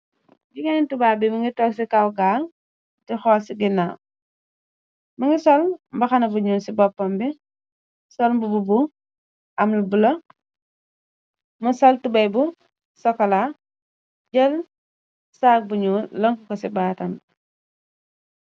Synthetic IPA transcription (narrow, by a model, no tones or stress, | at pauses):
biɡɐnitubaːbimuŋɡitɔksikawɡaːl | tixɔːlsiɡina | muŋɡisɔlmbɐxɐnɐbuɲuːnsibɔpːɔmbi | sɔlmbububu | ʔɐmlubulɔ | musɔltubɐjbu | sɔkːɐla | ɟəl | saːk̚buɲuːlɐŋkukɔsibaːtɐm